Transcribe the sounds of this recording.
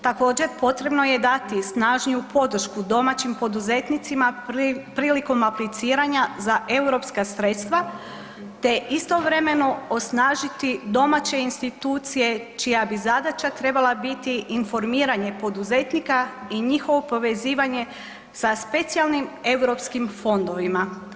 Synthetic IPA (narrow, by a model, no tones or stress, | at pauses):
t̪ako̞ːd͡ʑe̞ɾpo̞t̪ɾe̞bno̞je̞d̪at̪isnaːʒnijupo̞d̪r̩ʃkud̪o̞mat͡ɕimpo̞d̪uze̞t̪nit̪simapɾiːliko̞maplit̪siːɾaɲazaʔe̞wɾo̞pskasɾet̪st̪ʋa | t̪e̞ʔist̪o̞ʋɾe̞me̞no̞osnaːʒit̪id̪o̞mat͡ɕe̞inst̪it̪uːt̪sije̞t͡ʃijabizad̪at͡ʃat̪ɾe̞balˠabit̪iʔːnfo̞ɾmiːɾaɲe̞po̞d̪uze̞t̪nikaiɲixo̞ʋo̞po̞ʋe̞ziːʋaɲe̞ | saspe̞t̪sijalˠnime̞wɾo̞pskimfo̞nd̪o̞ʋima